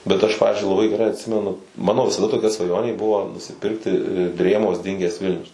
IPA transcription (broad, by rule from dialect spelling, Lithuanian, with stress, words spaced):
bʲɛt ˈɐʃ ˈpɑːʋʲɪzʲd͡ʒʲʊɪ lˠɐˈbɐɪ ɡʲɛˈrɐɪ ɐtʲˈsʲɪmʲɛnʊ ˈmɑːnoː ʋʲɪsɐˈdɐ toːˈkʲɛ sʋɐˈjoːnʲeː ˈbʊʋoː nʊsʲɪˈpʲɪrktʲɪ ˈdʲrʲeːmoːs ˈdʲɪŋʲɡʲɛs ˈʋʲɪlʲnʲʊs